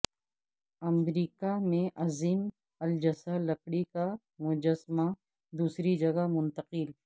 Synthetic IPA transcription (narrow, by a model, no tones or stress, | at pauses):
ɐmɾiːkamẽʔɐziːm | ɐld͡ʒɐsalɐkɽika | mʊd͡ʒəsma | d̪uːsɾid͡ʒɐɡamʊ̃nt̪ɐqɪl